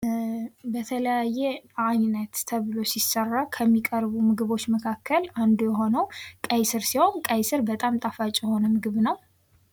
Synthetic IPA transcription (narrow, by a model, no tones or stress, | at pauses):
bət̪ʰələjajːɛaɲnːət̪t̪ʰəβɨlo̞sisərːakʰəmːikʼəɾβumɨɡɨβo̞t͡ʃːməkʰakʰːəland̪ujɛɦo̞nəwkʼəjsɨɾsiho̞nkʼəjsɨɾbət̪ʼamt̪ʼafat͡ʃʼjɛho̞nəmɨɡɨβnəw